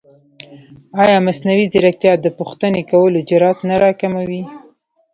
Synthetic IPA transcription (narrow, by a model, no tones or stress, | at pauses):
ɑjɑmasnawizɪɾak̚t̪jɑd̪əpuxt̪ənekawəlod͡ʒɪɾɑt̪naɾɑkamawi